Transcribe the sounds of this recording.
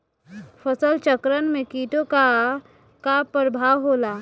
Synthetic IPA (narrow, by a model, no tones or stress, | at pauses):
fəsəlt͡ʃəkɾənmẽkiːʈoka | kapɾəbʱawɦola